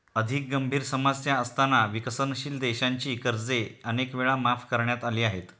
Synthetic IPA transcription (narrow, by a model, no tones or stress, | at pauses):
əd̪ʱik̚ɡəmbʱiːɾsəmad͡zt̪jaəst̪ʰanːaʋikəsənɕiːld̪eɕaɲt͡ɕiːkəɾd͡zeənekʋeɭamafkəɾɳjat̪aliːaɦet̪